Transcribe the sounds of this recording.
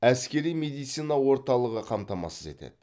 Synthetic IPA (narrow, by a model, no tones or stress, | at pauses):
æskʲe̞ɾijmed̪ijt̪sinɑwo̞ɾt̪ɑlˠəʁəqʰɑmt̪ɑmɑ̰səze̞̰t̪ḛd̪ɪ